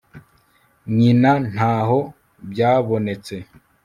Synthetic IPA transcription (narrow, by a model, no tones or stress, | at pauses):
ɲinan̥haːɦo̞ | bjaːβo̞ne̞t͡se̞